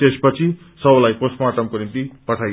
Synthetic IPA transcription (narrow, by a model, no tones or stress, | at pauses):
t̪espʌt͡sʰi | sʌblajposmaʈʌmkonimt̪ipʌʈʰaj